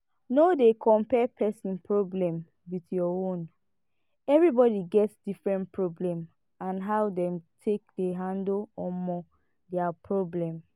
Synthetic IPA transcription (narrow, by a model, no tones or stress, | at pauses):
nodekʰɔ̃mpɛpʰɛsĩnpʰɹoblɛ̃m | witjɔõn | ɛvɹibɔdiɡɛtsd̥ifɹɛ̃ntpɹoblɛ̃m | ãnɦawdɛ̃mtʰek̚deɦãndoɔmɔ | dɛapʰɹoblɛ̃m